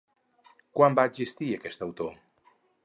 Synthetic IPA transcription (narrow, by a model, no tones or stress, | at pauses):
kwambaːzist̪iəkɛst̪əwt̪o